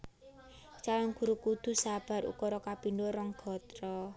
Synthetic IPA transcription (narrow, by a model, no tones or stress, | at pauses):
t͡ʃawaŋɡ̥ṳɾukud̪̥ṳsab̥a̤ɾṵkɔɾɔkapindoɾɔŋɡ̥ɔ̤t̪ɾɔ